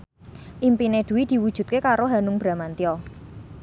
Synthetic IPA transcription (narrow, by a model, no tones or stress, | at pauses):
ʔimpined̪̥ṳwid̪̥i̤wud̥ʒ̥ṳt̪̚kekaɾoɦanʊŋb̥ɾa̤mant̪iɔ